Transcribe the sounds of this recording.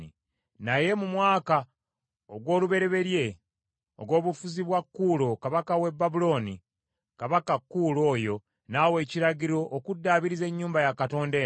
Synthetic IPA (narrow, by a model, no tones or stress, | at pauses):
i | naje̞mumwaːka | oɡwo̞ːluβe̞ɾe̞βe̞ɾje̞ | o̰ɡwo̞ːβufuziβwakːulo̞kaβakawe̞bːabulo̞ːni | kaβakakːulo̞ːjo̞ | nawe̞ːciɾaɟiɾo̞ʔːkudːaːβiɾize̞ɲːuːmbajakato̞ːnde